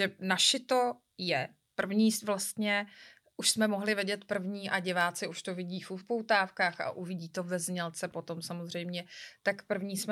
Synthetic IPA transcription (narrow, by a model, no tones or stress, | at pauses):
ɛnaʃɪt̪o̞ | jɛ | pr̩vɲiːvlast̪ɲɛ | ʔuʃsmɛmoɦlɪvɪɟɛt̪pr̩vɲiːʔaɟɪvaːt͡sɪuʃt̪ovɪɟiːfupowt̪aːfkaːxa̰ʔuvɪɟiːt̪o̞vɛzɲɛlt͡sɛpo̞t̪o̞msamozr̝ɛjmɲɛt̪akpr̩vɲiːsmɛ